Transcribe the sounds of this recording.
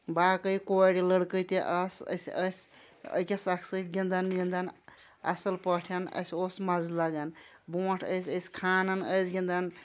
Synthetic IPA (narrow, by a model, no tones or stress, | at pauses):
baːkəjkoɽiləɽkəjt̪iʔɐsə̰sʲəsʲ | ə̰kʲesɐkʰsəsɡind̪ɐnːind̪ɐn | ɐ̰sɐlpəʈʰijɐnə̰sʲosmɐzlɐɡɐn | boːʈʰəjsʲəsʲkʰaːnɐnəjsɡʲind̪ɐn